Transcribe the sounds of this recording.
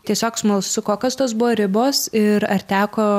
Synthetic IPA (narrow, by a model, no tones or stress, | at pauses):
t̪ʲiɛsʲoːksmɐlˠsʊkoːkɐst̪oːsbʊʋoːɾʲɪboːsɪɾɐrt̪ʲæːkoː